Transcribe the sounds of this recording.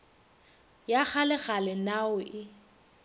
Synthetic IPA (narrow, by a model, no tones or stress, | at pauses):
jak͡xalɛɣalɛnaʊʔɪ